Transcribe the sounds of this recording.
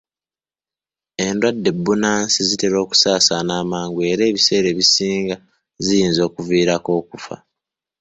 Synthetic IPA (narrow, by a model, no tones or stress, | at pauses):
e̞ndwadːe̞bːunaːnsizite̞ɾo̞ːku̥saːsanaːmaːŋɡue̞ɾe̞ːβise̞ːɾe̞ːβisiːŋɡa | zijiːnzo̞ːkuviːɾako̞ːkufa̰